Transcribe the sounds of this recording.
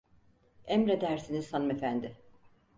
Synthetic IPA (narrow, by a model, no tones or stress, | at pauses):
ɛmɾɛd̪æɾsinizsanɯmefænd̪ɪ